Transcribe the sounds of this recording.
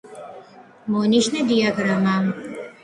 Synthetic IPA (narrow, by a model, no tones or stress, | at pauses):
moːniʃnɐdijaɡɾamaːm